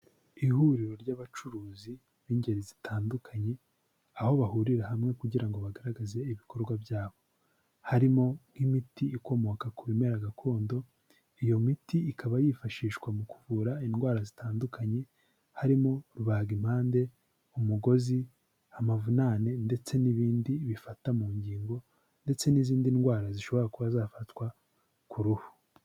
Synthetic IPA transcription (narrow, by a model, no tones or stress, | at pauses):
ihuɾiɾo̞ɾɟaβat͡ʃuɾuːzi | βiːɲɟe̞ɾizitʰaːndukʰaɲe̞ | aho̞βahuɾiɾahamŋe̞kuɟiɾaŋɡo̞βaɡaɾaɡaze̞iβiko̞ɾɡwabjaːβo̞ | haɾimo̞ŋ̥himitiiko̞mo̞kakuɾimeɾaɡakʰo̞ːndo̞ | ijo̞mitiikʰaβajifaʃiːʃkwamukuvuːɾainɡwaːɾazitaːndukʰaɲe̞ | haɾimo̞ɾuβaːɡim̥haːnde̞ | umuɡo̞zi | amavunanende̞t͡se̞niβiːndiβifatamuːɲɟiːŋɡo̞ | nde̞t͡se̞niziːndinɡwaːɾaziʃo̞βo̞ɾakuβazaːfatwa | kuɾuhu̥